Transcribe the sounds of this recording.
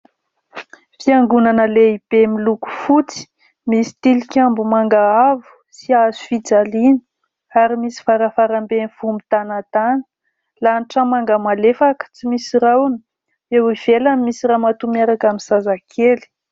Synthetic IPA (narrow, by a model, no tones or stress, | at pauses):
fiaŋɡunanəleib̥emiluku̥fut͡si̥ | misi̥t̪ilikʲambumaŋɡaavu̥ | siazufid͡zalinə̥ | aɾimisi̥faɾafaɾambenfumit̪anat̪anə̥ | lanʈ͡ʂamaŋɡamalefakə̥t͡simisirawani̥ | ewiv̥elamːisiramat̪umaɾakaminzazakʰeli̥